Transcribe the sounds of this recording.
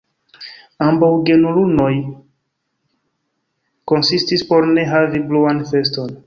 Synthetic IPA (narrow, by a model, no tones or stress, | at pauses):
ambawɡe̞nuluno̞j | ko̞nsistispo̞ɾne̞ɦavibluanfe̞sto̞n